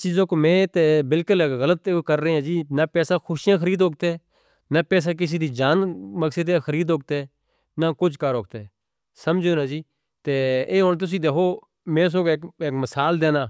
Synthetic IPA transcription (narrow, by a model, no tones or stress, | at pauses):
t͡ʃiːzõːkoːmɛ̃ːt̪eːbɪlkʊlɣələt̪ːkəɾːəẽːãːd͡ʒiːnaːpɛːsaːxʰʊʃijãːkʰəɾiːd̪ɦoːk̚t̪eɛː | naːpɛːs̬aːk̬ɪs̬iːd̪iːd͡ʒaːnməksəd̪aːxʰəɾiːd̪ɦoːk̚t̪eɛː | naːkʊt͡ʃkəɾoːk̚t̪e | səmd͡ʒeːnãːd͡ʒiː | t̪eːeːɦoːnt̪ʊs̬ĩːd̪eːkʰoː | mẽːs̬õːkːkekməsaːld̪eːnaː